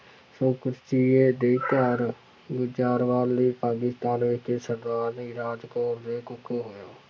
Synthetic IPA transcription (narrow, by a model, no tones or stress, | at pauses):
soːkɾt͡ʃiːeːd̪eːkəɾ | ɡʊd͡ʒaːɾʋaːliːpaːkɪst̪aːnʋeːkʰeːsəɾd̪aːɾniɾaːd͡ʒkoːɾd̪eːkʊkʰːoːɦoːjaː